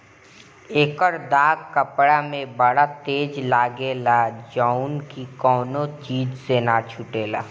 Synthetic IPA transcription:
eːkəɾd̪aːɡkəpɽamẽbəɽat̪eːd͡ʒlaːɡelad͡ʒaːunkikɔːnot͡ʃiːd͡ʒsenat͡ʃʰʊʈeːla̰ː

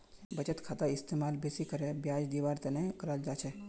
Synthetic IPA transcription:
bɐt͡ʃət̪kʰaːt̪aɪst̪eːmaːlbeːsikəɾebjaːd͡ʒd̪iːʋaːɾt̪enẽkɐɾald͡ʒaːt͡ʃʰɛː

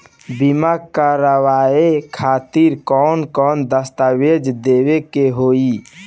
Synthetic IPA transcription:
bimaɡkaɾəwaekʰaːt̪iɾkɔnkɔːnd̪əst̪awed͡ʒd̪ewekeɦoi

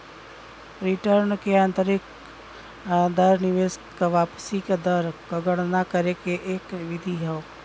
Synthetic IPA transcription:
ɾɪʈəɾnkeə̃nt̪əɾɪk | d̪əɾnɪʋeːst̪kaʋaːpsikad̪əɾkəɡəɽnakəɾekeʔeːkʋɪd̪ʱiɦɛo

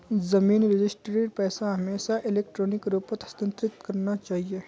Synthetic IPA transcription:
zɐmiːnɾɪd͡ʒɪsʈɾiɾpɛːsaɦɐmeːsaʔɪleːk̚ʈɾoːnɪkɾoːpət̪ɐ̥st̪ə̃nt̪ɾɪt̪kɐɾnat͡ʃaːɦieː

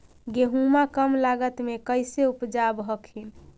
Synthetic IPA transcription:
ɡeɦumakəmlaɡət̪mekəjseupd͡ʒabɦəkʰin

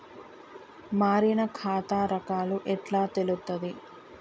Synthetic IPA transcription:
maːɾinɐkʰaːt̪aːɾɐkaːluʔɛʈlaːt̪elut̪ːɐd̪i

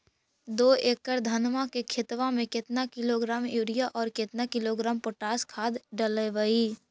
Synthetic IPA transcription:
d̪oːeːkːəɾd̪ʱɐnmakekʰɪt̪ʋãmẽkɪt̪nakɪloɡɾaːmjuːɾɪjaʔɔːɾkɪt̪nakɪloɡɾaːmpoʈaːskʰaːd̪ɖələʋəi

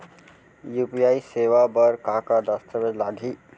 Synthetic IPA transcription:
jupiaisewabʌɾkakad̪ʌst̪əbed͡ʒlaɡʱi

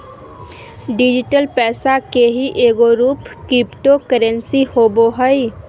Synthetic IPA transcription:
ɖɪd͡ʒɪʈəlpɛːsakeɦiʔeːɡoɾuːpkɪpʈokəɾə̃nsihoːboɦəi

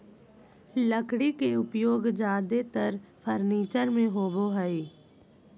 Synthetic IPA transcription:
ləkɽikeʊpjoːɡd͡ʒaːd̪et̪əɾpʰəɾniːt͡ʃəɾmẽɦoːboɦəiː

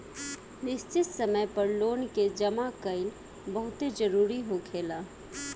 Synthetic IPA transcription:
nɪst͡ʃɪt̪səməjpɐɾloːnked͡ʒɐmakəɪl | bəɦʊt̪ed͡ʒəɾuːɾiɦokʰeːlaː

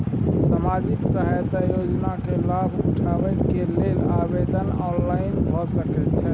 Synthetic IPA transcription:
samad͡ʒiksəɦajt̪ajod͡ʒnakelabʱuʈʰabɛkelelabed̪ənɔnlainbʱɔsəkɛt̪̚t͡ʃʰɛ

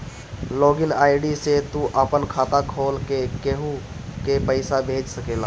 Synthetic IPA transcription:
loːɡɪnaːɪɖiset̪uʔəpənkʰaːt̪akʰoːlkekeɦukepəɪsabʱeːd͡ʒsəkeːla̰ː

